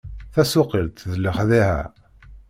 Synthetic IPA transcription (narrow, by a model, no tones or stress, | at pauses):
θæsʊqilt̪ðəlːəχðihæ̰